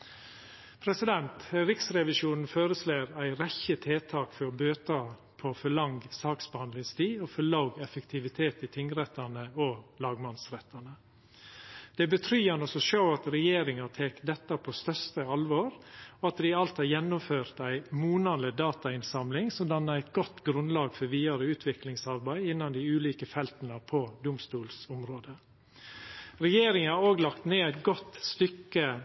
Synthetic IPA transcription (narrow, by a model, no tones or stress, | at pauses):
pʰɾɛsɪd̪ɛnt̪ɾɪksɾɛʋɪʃuːnn̩foːɾəsleːɾæɪɾɛçːət̪ʰeːt̪ʰɑːkfɔɾɔbøːt̪ʰɑ | pʰɔfɔɭɑŋɡsɑːksbəhɑnd̪lɪŋst̪ʰiːɔfɔɭɑʊɡɛfəkt̪ʰɪʋɪt̪ʰeːt̪ɪt̪ʰɪŋɾɛt̪ːɑnəɔlɑːɡmɑnsɾɛt̪ʰːɑnə | d̪̥ɛbət̪ʰɾyːhɑnɔsɔʃøːɑt̪ɾɛjeːɾɪŋɑt̪ʰeːkd̪ɛt̪ːɑpʰost̪œɾst̪əɑlʋoːɾɔɑt̪d̪ɪɑlt̪hɑɾjɛnːʊmføːɾt̪æɪmuːnɑləd̪ɑːt̪ɑɪnsɑmlɪŋsɔmd̪ɑnːɑæɪt̪ɡɔt̪ːɡɾʉnlɑːɡfɔɾʋiːɑɾəʉːt̪ʰʋɪklɪŋsɑɾbæɪɪnːɑnd̪ɪʉːliːkəfɛlt̪nəpʰɔd̪ʊmst̪uːlsʊmɾoːd̪ə | ɾɛjeːɾɪŋɑɑoːɡlɑkt̪neːæɪt̪ɡɔt̪ːst̪ʏkːə